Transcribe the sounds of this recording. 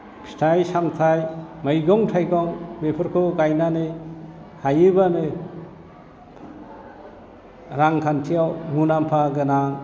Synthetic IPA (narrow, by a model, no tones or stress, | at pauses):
pʰi̥tʰajsamtʰajmajɡɔŋtʰajɡɔŋbepʰɯɾkʰɔɡajnanɯjhajɯbanɯ | ɾaŋkʰantʰijawmunampʰaɡɯnaŋ